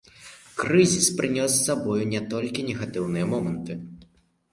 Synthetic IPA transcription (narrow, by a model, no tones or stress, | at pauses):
kɾɨzʲispɾɨnʲɔs̬ːabɔjunʲɛt̪ɔlʲkʲinʲɛɣat̪ɨwnɨjɛmɔmɛnt̪ɨ